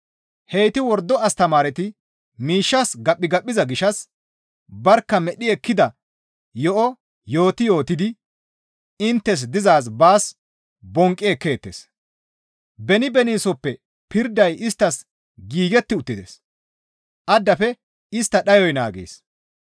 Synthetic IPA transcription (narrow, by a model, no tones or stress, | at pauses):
hɛjt̪ɪwɔɾd̪ːɔɐst̪ɐmaːɾɛt̪ɪ | miːʃːɐsɡɐpːɪɡɐɓʼːɪzɐɡɪʃɐs | bɐɾkːɐmɛɗɪɛkːɪd̪ɐ | jɔʔɔ | jo̞ːt̪ɪjo̞ːt̪ɪd̪ɪ | ɪnt̪ːɛs̬d̪ɪzaːs̬baːs | bɔŋkʼːeːkːe̞ːt̪ːes | bɛnɪbɛniːsɔpːɛ | pɪɾd̪ɐjɪst̪ːɐs | ɡiːɡɛt̪ːɪʊt̪ːɪd̪ḛs | ʔɐd̪ːɐfɛ | ɪst̪ːɐɗɐjɔjna̰ːɡḛːs